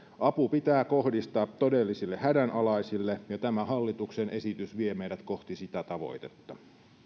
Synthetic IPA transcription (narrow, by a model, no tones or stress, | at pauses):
ʔɑpupit̪æːko̞hdist̪ɑːt̪odelːisilːehædænʔɑlɑisilːejɑt̪æmæhɑlːit̪uksenʔesit̪ysʋiemejɾæt̪ko̞ht̪isit̪æt̪ɑʋo̞̰jt̪et̪ːɑ